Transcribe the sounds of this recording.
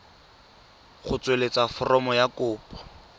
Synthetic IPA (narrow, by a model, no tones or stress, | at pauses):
χʊt͡swelet͡safɔrɔmɔjakʊːpʼɔ̥